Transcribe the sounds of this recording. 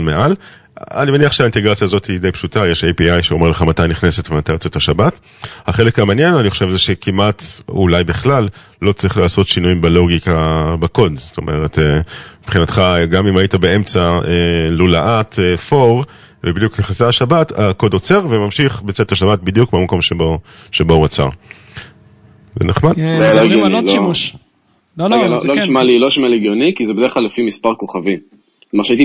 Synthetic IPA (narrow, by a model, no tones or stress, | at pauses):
meʔal | a̰nimeniaχʃeainte̞ɡʁat͡sjaːzo̞tid̪ejpʃutajeʃejpiajʃeo̞meleχamatajniχnesetvemat̪ajbet͡setaʃabat | haχe̞lekhamaːnjenaniχoʃevzeʃekʰimʔatṵlajbiχlalː | o̞t͡sʁiχlaːso̞tʃinujimbelo̞ɡikabako̞dzo̥to̞̰mʔe̞ʁetemipχinatχaɡamimajitabee̞mt͡saelulaʔatefo̞ʁ | vebid̪jukneχaseaʃabatako̞do̞t͡seʁvemamʃiχbet͡setaʃabat̚bid̪jukmiamako̞mʃeboʃebouat͡sa̰ʁ | zḛneχmad̥̪lɡoiolo | lollooʃmaliloʃmaleɡjonikizebed̪eχklalefimispaʁko̞χavi | t̪omaʁʃaiti